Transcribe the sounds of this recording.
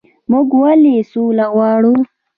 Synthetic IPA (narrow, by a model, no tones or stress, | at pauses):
mʊɡwalisuːlaɣwɑːɽu